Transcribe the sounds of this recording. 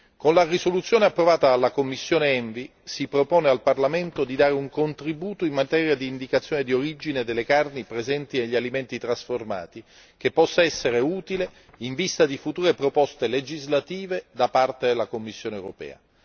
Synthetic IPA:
konlarisolut̪sːjoːneapːɾovaːt̪aalːakomːisːjoːneɛɱvi | sipɾopoːnealparlament̪od̪id̪aːɾeuŋkont̪ɾibuːt̪oimːat̪ɛːɾjad̪iːnd̪ikat̪sːjoːned̪ioɾid͡ʒined̪elːekarnipɾezɛnt̪ineʎːialiment̪it̪ɾasforma̰ːt̪i | k̟epːɔsːaɛsːeɾeuːt̪ile | iɱvist̪ad̪ifut̪uːɾepɾopɔst̪eled͡ʒizlat̪iːved̪apart̪ed̪elːakomːisːjoːnewɾo̰pɛ̰ːa̰

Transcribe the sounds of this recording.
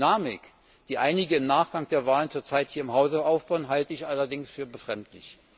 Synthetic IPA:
naːmɪk | d̥iːʔaɪnɪɡəɪmnaːχɡ̥aŋd̥eːɐvaːlənt͡suːɐt͡saɪthiːɐɪmɦaʊzəaʊfb̥aʊənɦaltəɪçʔalɐdɪŋsfyːɐbəfʁ̥ɛmtlɪ̰ç

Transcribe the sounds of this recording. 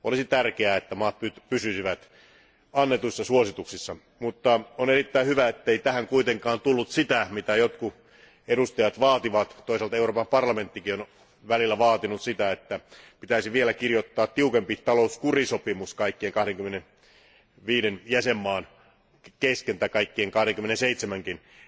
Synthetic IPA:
ʔolisit̪ærkeæet̪ːæmɑːt̪̚pypysysiʋæt̪ | ɑnːet̪uisːɑsuosit̪uksisːɑ | mut̪ːɑonerit̪ːæihyʋæet̪ːeit̪æhæŋkuit̪eŋkɑːnt̪ulːut̪sit̪æmit̪æjot̪ku | eɾust̪ɑjɑt̪ʋɑːt̪iʋɑt̪t̪oiselt̪ɑeuroːpɑmpɑrlɑme̞nt̪ːikion | ʋælilːæʋɑːt̪inut̪sit̪æet̪ːæpit̪æisiʋielækirjot̪ːɑːt̪tiukempit̪ɑlouskurisopimuskɑikːieŋkɑhɾeŋkymːenen | ʋiːɾenjæsemːɑːn | keskent̪ækɑikːieŋkɑhɾeŋkymenenseit̪semæŋkin

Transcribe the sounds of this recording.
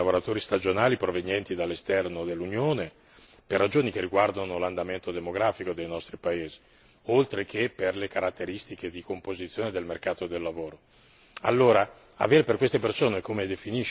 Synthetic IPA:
avoɾat̪oːɾist̪ad͡ʒonaːlipɾovenjɛnt̪id̪alːest̪ɛrnod̪elːunjoːne | perːad͡ʒoːnik̟erːiɡward̪anoland̪ament̪od̪emoɡɾaːfikod̪ejnɔst̪ɾipaeːzi | olt̪ɾek̟epːerlekaɾat̪ːeɾist̪iked̪ikompozit̪sːjoːned̪elmerkaːt̪od̪elːavoːɾo | a̰lːoːɾa | a̰veːɾeperkwest̪epersoːnekomed̪efiniʃ

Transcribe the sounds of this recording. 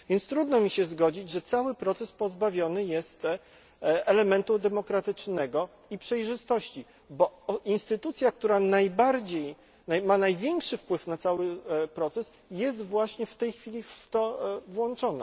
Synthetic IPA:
vʲjɛnt̪st̪ɾud̪nɔmʲiɕɛzɡɔd͡ʑid͡ʑʐɛt̪sawɘpɾɔt̪sɛspɔzbavʲjɔnɘjɛst̪ | ɛlɛmɛnt̪ud̪ɛmɔkɾat̪ɘt͡ʂnɛɡɔ | ipʂɛjʐɘst̪ɔɕt͡ɕi | bɔinst̪ɘt̪ut̪sʲjak̚t̪uɾanajbaɾd͡ʑej | najmanajvʲjɛŋkʂɘfpwɘfnat̪sawɘpɾɔt̪sɛs | jɛst̪vwaɕɲɛft̪ɛjxfʲilʲift̪ɔvwɔnt͡ʂɔna̰

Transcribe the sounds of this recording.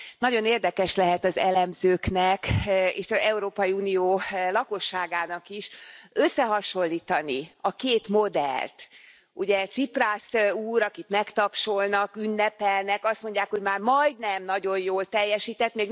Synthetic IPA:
nɒɟo̞neːrd̪ɛkɛʃlɛɦɛt̪ɒzɛlɛmzøːknɛkḛːʃɒzɛuɾoːpɒjiuːnijoːlɒko̞ʃːaːɡaːnɒkiʃøsːɛɦɒʃo̞lːiːt̪ɒniɒkeːt̪mo̞d̪ɛ̰lt̪ | uɟɛt̪sipraːsuːɾɒkit̪mɛkt̪ɒpʃo̞lnɒkynːɛpɛlnɛkɒst̪mo̞ɲɟːaːkho̞ɟmaːrmɒjd̪nɛmnɒɟo̞jjoːlt̪ɛjːɛʃiːt̪ɛt̪meːɡ

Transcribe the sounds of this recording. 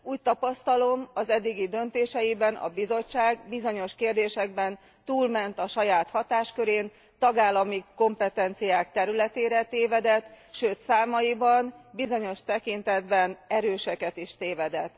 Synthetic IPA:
uːct̪ɒpɒst̪ɒlo̞mɒzɛd̪ːiɡid̪ø̞nt̪eːʃɛjibɛnʔɒ̰bizo̞t͡ʃːaːɡbizo̞ɲo̞ʃkeːrd̪eːʃɛɡ̚bɛn | t̪uːlmɛnt̪ɒʃɒjaːt̪hɒt̪aːʃkøɾeːn | t̪ɒɡaːlːɒmiko̞mpɛt̪ɛnt̪sijaːkt̪ɛɾylɛt̪eːɾɛt̪eːvɛd̪ɛt̪ | ʃøːt̪saːmɒjibɒnbizo̞ɲo̞ʃt̪ɛkint̪ɛd̪bɛnɛɾøːʃɛkɛt̪iʃt̪eːvɛd̪ɛt̪ː

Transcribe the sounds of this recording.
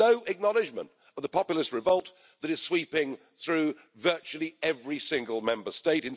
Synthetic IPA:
oʊʔɨk̚nɑlˠɨd͡ʒmə̰̃nt | əvðəpʰɑpjl̩ˠəst̚ɹɨvʌlˠt̪̚ | ðɨɾɨz̥swipɪ̃ŋ | θɹʉ | vɜ˞t͡ʃʉl̩ˠiɛvɹisɪ̃ŋɡəl̩ˠmɛ̃mbə˞steɪɾɨ̃n

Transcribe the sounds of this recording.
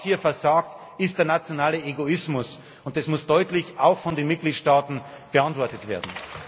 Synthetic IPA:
hiːɐfɛɐzaːkt | ɪst̚d̥eːɐnat͡sjonaːləeɡoɪsmʊs | ʊnt̚d̥ɛsmʊsd̥ɔʏtlɪçaʊxfɔndeːnmɪt̚ɡ̥liːtʃtaːtn̩ | b̥əantv̥ɔɐtətv̥ḛːɐdn̩

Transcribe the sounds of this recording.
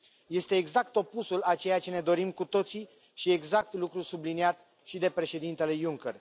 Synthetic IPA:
je̞st̪e̞ːɡzakt̪o̞pusulat͡ʃe̞jat͡ʃe̞ne̞d̪o̞ɾimkut̪o̞t̪si | ʃie̞ɡzakt̪lukɾusubliniat̪ | ʃid̪e̞pɾe̞ʃe̞d̪int̪e̞le̞juŋker

